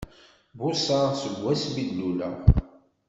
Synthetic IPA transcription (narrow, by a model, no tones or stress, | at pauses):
bʊsaʁsəɡʷːæsbidːulæ̰